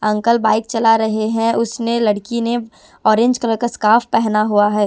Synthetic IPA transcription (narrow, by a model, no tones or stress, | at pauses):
ɐ̃ŋkəlbaːɪk̚t͡ʃɐlaɾɐɦeɦɛ̃ʔʊsnelɐɽkine | ɔːɾẽːɲd͡ʒkɐɾəkəskaːfpɛɦnaɦuaɦɛː